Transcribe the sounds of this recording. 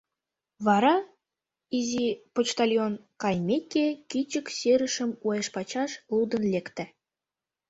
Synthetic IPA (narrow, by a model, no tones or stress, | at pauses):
βɑɾɑ | izipot͡ɕt̪alʲjonkɑjmʲekʲekit͡ɕə̆kseɾə̆ʃə̆mujeʃpɑt͡ɕɑʃlˠud̪ə̆nlʲekt̪ɘ̆